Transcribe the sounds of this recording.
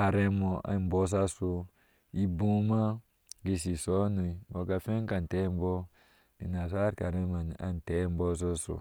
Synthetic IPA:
a˨ɾe˦mo˨a̰˨m˨bo˦s̬a˦so˧ | i˦bũ˦ma˦ | ɡe˧si˨so˦nu˨i˨bo˨ka˨fe˦ŋ˦ka˨n˨te˦m˦bɔ˦ | i˨na˨sa˦ɾka˨ɾe˦ma˨n˨a̰˨n˨te˦m˦bɔ˦s̬o˦so̰˨

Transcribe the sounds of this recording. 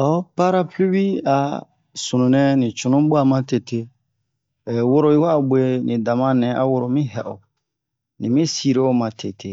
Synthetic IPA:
ɔ˦pa˦ɾa˦plo˦bi˦a̰˨ | su˨nũ˨nɛ̃˦nĩ˨t͡ʃu˨nũ˦bo˦a˨mã˦te˨te˦˨ | wo˦ɾo˨i˦wa˦˨bʷe˨nĩ˨da˨mã˦nɛ̃˨ʔa̰˨wo˨ɾo˨mĩ˦ɦɛ˨ʔo˨ | nĩ˨mĩ˦si˦˨ɾe˦o˦mã˨tʰe˨tʰe˨

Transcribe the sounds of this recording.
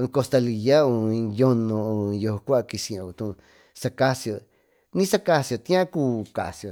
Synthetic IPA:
ko˧st̪a˧li˨ja˦õ˧jo˦nõ˧jo˧kʷa˦˧ki˧si˨˧õ˧˨u˧t̪ũ˧˨˧ | sa˧ka˦sjo˧ | nĩ˦sa˧ka˧sjo˧˨t̪ĩ˦ã˦ku˦ka̰˨sjo˨

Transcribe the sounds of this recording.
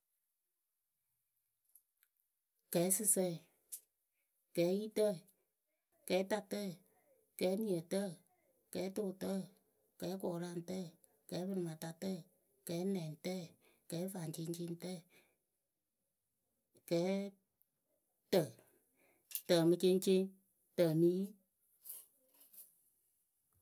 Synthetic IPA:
kɛː˨˦sɨ˦sɛ˧˨ | kɛː˨˦ji˦tə˦˨ | kɛː˨˦ta˧tɛ˦˨ | kɛː˨˦ni˨ə˨tə˦˨ | kɛː˨˦to˦˨tə˦ | kɛː˨˦kɔː˨ɾa˧˨n˨tɛ˦˨ | kɛː˨˦bɨ˦˧ɾɨ˨mã˨ta˧tɛ˦˨ | kɛː˨˦nɛ̃˨n˨tɛ˦˨ | kɛ˨˦va˨ŋt͡ʃe˧˦ŋ˦t͡ʃe˧˦n˦tɛ˦˨ | kɛː˨˦ | tə˨ | tə˨mɨ˧t͡ʃe˦ŋ˦t͡ʃe˦ŋ | tə˨niː˦

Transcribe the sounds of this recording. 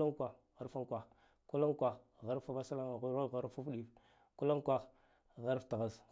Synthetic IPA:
a˦ŋkʷa˨ | ɣa˦ɾfa˦ŋ˦kʷa˨x | ku˦la˦ŋkʷa˨xɣa˦ɾfa˦va˦sa˦la˦ŋ˨ɣa˦˨ɣa˦ɾfu˦fɗi˦˨f | ku˦la˦ŋ˦kʷa˦x | ɣa˦ɾfta˨ɣa˦˨s

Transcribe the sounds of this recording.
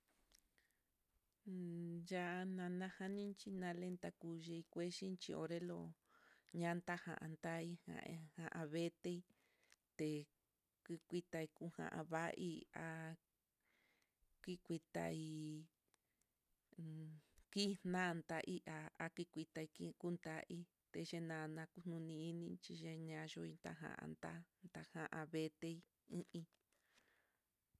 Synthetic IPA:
ja˧a˧nã˧nã˦hã˧nĩ˦nt͡ʃi˧nã˧lẽ˧nt̪a˧ku˧ʒe˧i˧kʷe˦ʃi˦nt͡ʃḭ˧o̰˧ɾe˦lo˧˨ | ɲã˦nt̪a˦hã̰˧˨ʔã̰˧nt̪a˦i˦hã̰˧hã˧ʔa˧βe˦t̪e˧i˦ | t̪e˨ | ki˧kʷi˧t̪a˧i˧ku˧˦hã̰˨ʔa̰˧βa˦ʔi˧a˧ | ki˦kʷi˧t̪a̰˧i˧ | ki˦˧n̥nã˦˧nd̪a˧ʔi˦ʔa˧a˦ki˦kʷi˧t̪a˧i˧ki˦ku˦nt̪a˦ʔi˦ | t̪e˧ʒe˧nã˧nã˧ku˦n̥nũ˧nĩ˧i˦nĩ˧t͡ʃi˧ʒe˧ɲã˧ʒo˧i˧nt̪a̰˧ɦã̰˧˨ʔã̰˧ndt̪a˦nt̪a˧hã˦ʔã˧βe˧t̪e˧i˦ | ĩ˦ʔĩ˧

